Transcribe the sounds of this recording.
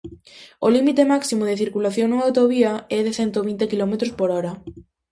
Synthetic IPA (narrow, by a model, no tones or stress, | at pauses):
olimit̪emaksimoðeθiɾkulaθjoŋnuŋawt̪oβiaɛðeθent̪oβint̪ekilɔmet̪ɾospoɾɔɾɐ